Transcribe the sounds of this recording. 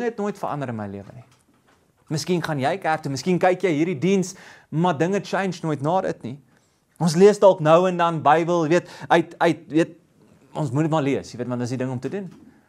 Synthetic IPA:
ŋɛt̚nuəjtfə̰ʔɐ̰ndəɾənmə̰jliəvə̰ni | məskinχɐnjɛjkærtəməskinkɛjkjəjɦiːɾdidins | mɐdəŋət͡ʃɛjnd͡ʒnuəjtnɑːdə̰tni | ʔɔnsliəsdɔlˠknəwəndɐnbɐjbəlˠjiviətœɥtœɥt̚jviət̚ | ɔnsmunətmɐliəsjəviətvɐndəsdidəŋɔmtədun

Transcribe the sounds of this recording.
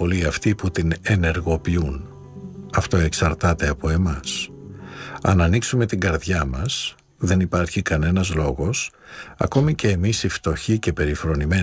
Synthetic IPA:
o̞liɐft̪iput̪ine̞ne̞ɾɣo̞piun | ɐft̪o̞e̞ksɐɾt̪ɐt̪e̞ɐpo̞e̞mɐs | ɐ̰nɐniksume̞t̪iŋɡɐɾðʝɐmɐs | ðe̞nipɐɾçikɐne̞nɐzlo̞ɣo̞sɐ̰ko̞mice̞ːmisift̪o̞çice̞pe̞ɾifɾo̞nime

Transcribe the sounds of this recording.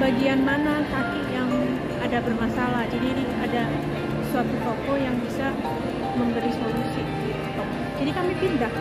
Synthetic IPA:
baɡianmanasakɪʔjaŋ | adabərmasalahd͡ʒadidi | ada | suat̪ut̪ɔkɔjaŋbisa | məmbəɾisolusi | diɔt̪ɔŋ | d͡ʒadikamipindah

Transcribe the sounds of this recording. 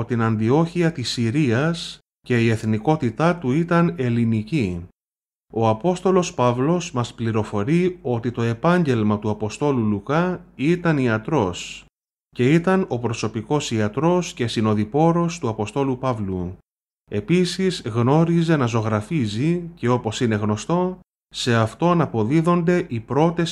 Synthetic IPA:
t̪inɐnd̪io̞çiɐt̪isiɾiɐs | ce̞ie̞θniko̞t̪it̪ɐt̪uit̪ɐne̞linici | o̞ɐpo̞st̪o̞lo̞spɐvlo̞zmɐspliɾo̞fo̞ɾio̞t̪it̪o̞e̞pɐɲɟe̞lmɐt̪uɐpo̞st̪o̞lulukɐit̪ɐniɐt̪ɾo̞s | ce̞it̪ɐno̞pɾo̞so̞piko̞siɐt̪ɾo̞sce̞sino̞ðipo̞ɾo̞st̪uɐpo̞st̪o̞lupɐvlu | e̞pisizɣno̞ɾize̞nɐzo̞ɣɾɐfizice̞o̞po̞sine̞ɣno̞st̪o̞ | se̞ɐft̪o̞nɐpo̞ðiðo̞nd̪e̞ʔipɾo̞t̪e̞s

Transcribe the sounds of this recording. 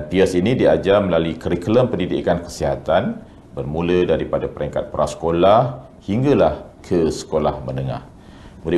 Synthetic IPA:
anpiasinidiad͡ʒamlalukəɾikələmpəndidḭkankə̥siɦat̪an | bərmũlədaɾipadapəɾɛŋkat̪̚pəɾasə̥kolah | hiŋɡalahkʰəsə̥kolahmənəŋa̰h | mud

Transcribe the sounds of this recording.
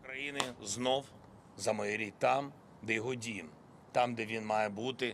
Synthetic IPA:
kɾɐjinɪznɔw | zɐmɔjɛɾʲit̪ɑm | d̪ɛjɔɦɔdʲijɪm | t̪ɑmd̪ɛʋʲinmɑjɛbut̪ɪ

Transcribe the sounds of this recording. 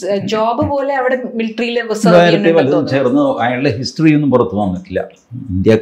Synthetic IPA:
d͡ʑoːbɨpo̞ːle̞ɐʋiɽe̞milʈrijileʋɐsɐɾaːjiɾɐt̪ːeʋɐlɐðɐnːt͡ɕe̞ːrnːɨɐjaːɭɨɖeɦistrije̞nːumpurɐt̪ːuʋɐnːiʈːilːɐ̰ | ind̪jɐ

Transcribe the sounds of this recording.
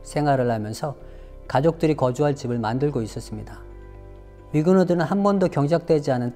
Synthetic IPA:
sʰe̞ŋwaɾɯɭhamjʌnsʰʌ | kad͡ʑok̚t͈ɯɾikʌd͡ʑuɦaɭt͡ɕibɯɭmandɯɭɡois͈ʌs͈ɯmɲida | miɡunodɯnɯnɦanbʌndokjʌŋd͡ʑak̚t͈wed͡ʑianɯn

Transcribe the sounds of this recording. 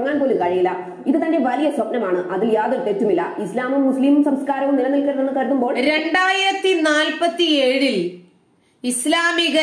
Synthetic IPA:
ŋːaːnpo̞ːlukɐɻijilːɐ | iðɨt̪ɐnde̞ʋɐlijɐswɐpnɐmaːɳɨʔɐðɨjaːðot̪ːetːumilːɐislaːmumːusliːmumsɐmskaːɾɐʋumnilɐmilkɐɽɐnenːɨkɐɽt̪ːumbo̞ːɭɾe̞ɳɖaːjiɾɐt̪ːinaːlpɐt̪ːieːɻil | islaːmiɣɐ

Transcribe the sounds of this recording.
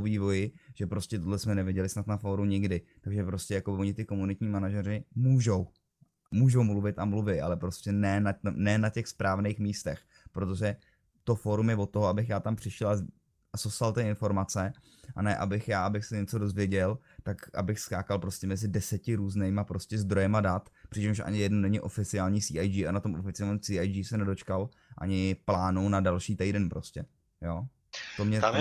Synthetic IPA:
oviːvo̞jɪʒ̥ɛpɾo̞scɛt̪odlɛsmɛnɛvjɪɟɛlɪsnat̪nafoːɾuɲɪɡdɪt̪aɡʒɛpɾo̞scɛjakobɪvo̞ɲɪt̪ɪko̞munɪt̪ɲiːmanaʒɛɾɪmuːʒo̞w | muːʒo̞wmluvɪt̪amluvɪʔa̰lɛpɾo̞scʲɛnɛːnanɛːnacɛxspɾaːvnejxmiːst̪ɛx | pɾot̪o̞ʒɛ | t̪o̞foːɾumjɛvot̪ːoɦoabɪxjaːt̪ampr̥ɪʃɛla | asost̪alt̪ɪɪnfo̞ɾmat͡sɛ | ʔa̰nɛʔa̰bɪxjaːabɪxsɛɲɛt͡so̞do̞zvjɛɟɛl | t̪akʔa̰bɪxskaːkalpɾo̞scɛmɛzɪdɛsɛcɪɾuːznejmapɾo̞scɛzd̪ɾo̞jɛmadat̪pr̥ɪt͡ʃɛmʃʔa̰ɲɪjɛdnunɛɲɪʔo̞fɪt͡sɪaːlɲiːsiːʔajd͡ʒiːanat̪o̞mʔofɪt͡sɪaːlɲiːmsiːajd͡ʒiːsɛnɛdo̞t͡ʃkal | ʔa̰ɲɪplaːnuwnadalʃiːt̪ɛjdɛnpɾʔo̞scɛ | jo̞ː | t̪omɲɛa

